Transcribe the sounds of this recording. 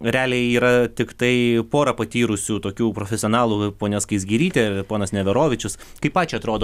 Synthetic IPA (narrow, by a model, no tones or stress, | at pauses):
ɾʲæːlʲejiːɾɐt̪ʲɪkt̪ɐɪpoːɾɐpɐt̪ʲiːɾʊsʲuːt̪oːkʲuːpɾoːfʲɛsʲɪoːnɑːlˠuːpoːnʲɛskɐɪsʲɡʲiːɾʲiːt̪ʲepoːnɐsnʲɛʋʲɛɾoːʋʲɪt͡ʃʲʊskɐɪpɑːt͡ʃʲʊɐt̪ɾoːd̪oː